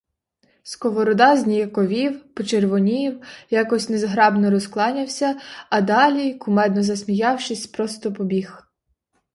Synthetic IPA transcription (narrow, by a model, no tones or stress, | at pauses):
skɔʋɔɾɔd̪ɑzʲnʲijɛkɔʋʲiwpɔt͡ʃerʋɔnʲiwjɑkɔsʲnezɦɾɑbnɔɾɔsklˠɑnʲɐwsʲɐːd̪ɑlʲikʊmɛd̪nɔzɐsmʲijɑwʃɪsʲpɾɔst̪ɔpɔbʲix